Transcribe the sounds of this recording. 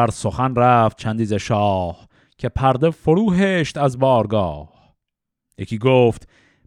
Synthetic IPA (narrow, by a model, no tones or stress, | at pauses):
æɾso̞xænɾæft̪̚t͡ʃʰænd̪iːzeʃɒːh | cʰe̞pʰæɾd̪e̞fo̞ɾuːɦeʃt̪æzbɒːɾɡɒːh | jḛcʰiːɡoːft̪